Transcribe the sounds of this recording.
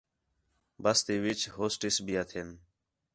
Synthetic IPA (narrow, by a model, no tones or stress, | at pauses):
bəst̪iːʋɪt͡ʃɦoːsʈɪsbiːət̪ʰeːn